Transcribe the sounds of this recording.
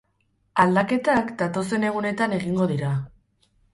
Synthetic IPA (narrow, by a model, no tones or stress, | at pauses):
ald̪ake̞t̪akd̪at̪o̞se̞ne̞ɣ̞une̞t̪ane̞ɣiŋɡo̞ðiɾa